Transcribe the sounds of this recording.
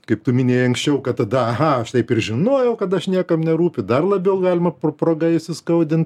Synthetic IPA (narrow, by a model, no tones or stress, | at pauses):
kɐɪp̚t̪ʊmʲɪnʲeːjɐŋksʲt͡ʃʲɛʊkɐt̚t̪ɐd̪ɐɐɦɐɐʃt̪ɐɪpɪɾʒʲɪnoːjɛʊkɐt̪̬ɐʃnʲiɛkɐmnʲɛɾuːpʲɪd̪ɐrlˠɐbʲɛʊɡɑːlʲɪmɐppɾoːɡɐɪʃʲsʲɪskɐʊd̪ʲɪnt̪